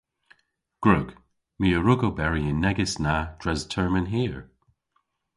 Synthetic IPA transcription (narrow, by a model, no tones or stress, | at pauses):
ɡ̥ɹʊɡ̥ | miːəɹʊɡobɛɹiɪnːɛɡɪsnad̥ɹɛztʰɜɹmə̃nɦiːəɹ